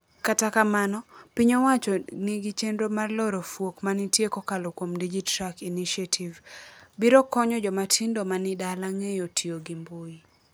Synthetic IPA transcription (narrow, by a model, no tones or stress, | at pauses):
katakamanɔpiɲɔwat͡ʃɔniɡit͡ʃendɾomarlɔɾɔfwokmanitjekɔkalokwomdid͡ʒitɾakiniʃatʰivbiɾɔkɔɲɔd͡ʒɔmatʰindomanɪdalaŋejotʰioɡimboi